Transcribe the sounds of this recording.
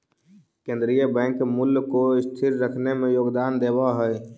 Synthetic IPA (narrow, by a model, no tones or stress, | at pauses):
kẽːnd̪ɾijəbɛ̃ːŋkmʊlkoɪst̪ʰɪɾɾəkʰnemẽjoːɡd̪aːnd̪eːbaɦɛ